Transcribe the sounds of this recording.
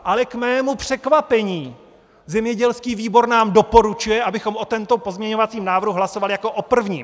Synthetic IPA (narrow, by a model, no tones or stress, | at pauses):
ʔalɛkmɛːmupr̝̥ɛkvapɛɲiː | zɛmɲɛɟɛlskiːviːbo̞ɾnaːmdo̞po̞ɾut͡ʃujɛʔabɪxo̞mʔo̞t̪ɛnt̪o̞po̞zmɲɛɲo̞vat͡siːmnaːvrɦuɦlaso̞valɪjako̞ʔopr̩vɲiːm